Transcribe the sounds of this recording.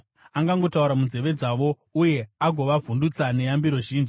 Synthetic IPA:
aŋɡaŋɡo̞tauɾamunze̞ʋe̞d͡zaʋo̞ | uje̞aɡʱo̞ʋavʱundut͡sane̞jambiɾo̞ʒiːnʐi

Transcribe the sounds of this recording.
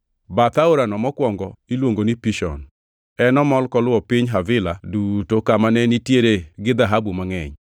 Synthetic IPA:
bat̪aoɾanɔmɔkwɔŋɡɔilwoŋɡonipiʃɔ̰n | ɛnɔmɔlkɔlwɔpɪɲɦavɪladutokamanɛnitjeɾeɡɪd̪aɦabumaŋɛɲ

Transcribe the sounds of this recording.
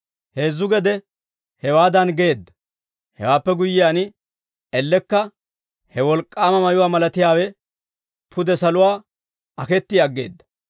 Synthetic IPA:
heːzːʊɡɛd̪ɛ | hɛwaːd̪ɐnɡe̞ːd̪ːɐ | hɛ̰waːpːɛɡʊjːɪjaːnɪ | ɛlːɛkːɐ | hɛwɔlkʼːaːmɐmɐjʊwaːmɐlɐt̪ɪjaːwɛ | pʰʊd̪ɛsɐlʊwaː | ɐkɛt̪ːɪɐɡːe̞̰ːd̪ːɐ̥

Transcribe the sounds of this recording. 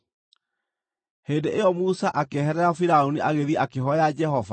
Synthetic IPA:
heːndeʔejɔmusaʔakeɦɛɾɛɾafiɾaoniʔaɣeðiɛʔakeɦɔjad͡ʒɛɦɔva

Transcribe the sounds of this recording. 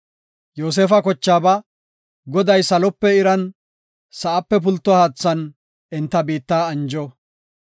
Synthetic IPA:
joːs̬eːfɐkɔt͡ʃːaːbɐ | ɡɔd̪ɐjsɐlɔpːɛɪɾɐn | sɐʔɐpːɛp̬ʊlt̪ːɔhaːt͡sːɐn | ɪnt̪ːɐbiːt̪ːaːɐnd͡ʒɔ

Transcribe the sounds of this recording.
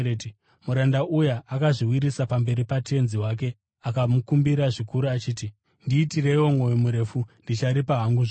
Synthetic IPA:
muɾandaʔujaːkaʐiwiɾisapambe̞ɾipatʰe̞nziwak̬e̞ | akamukumbiɾaʐikuɾuat͡ʃiːti | ndiːtire̞iwomwo̞jimuɾe̞fundit͡ʃaɾipaɦaŋɡuʐ

